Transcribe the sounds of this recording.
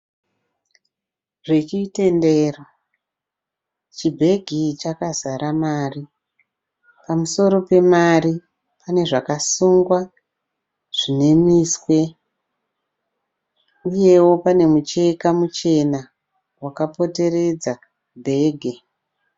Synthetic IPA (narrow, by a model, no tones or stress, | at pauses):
ʐ̥et͡ʃite̞ndeːro | t͡ʃibʱe̞ɡʱit͡ʃakazaɾamaːri | pamuso̞ɾo̞pe̞mari | pane̞ʐakasuŋɡwa | ʐ̥ine̞miswe̞ | uje̞wo̞pane̞mut͡ʃe̞kamut͡ʃe̞na | wakapo̞te̞re̞d͡za | bʱe̞ːɡʱe